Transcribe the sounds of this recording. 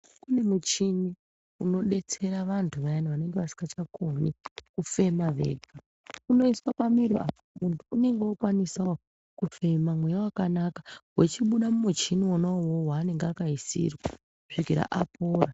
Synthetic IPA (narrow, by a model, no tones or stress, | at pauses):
kune̞mut͡ʃini | uno̞ɗe̞t͡se̞ɾaʋantʰuʋajaniʋane̞ŋɡeʋasi̥ŋɡat͡ʃakʰonikufe̞maʋe̞̰ɡa | kuno̞iswapamiɾia̰ | muntʰuune̞ŋɡewokwanisao | kufe̞mamwe̞jawakanakawet͡ʃiɓuɗamumut͡ʃiniwonaowowaːne̞ŋɡakaisḭrwa | kuʂikiɾa̰ʔapʰoːra